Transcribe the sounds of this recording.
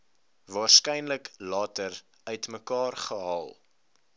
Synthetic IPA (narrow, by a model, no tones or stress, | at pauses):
vɑːrskɛjnləklɑːtər | œɥtməkɑːrχəɦɑːlˠ